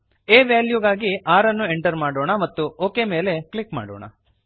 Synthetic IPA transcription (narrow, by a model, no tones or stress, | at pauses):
eːʋjaːljuɡaːɡiaːɾɐnːueɳʈɐɾmaːɽoːɳɐmɐt̪ːuoːkeme̞ːle̞klikma̰ːɽo̰ːɳɐ̰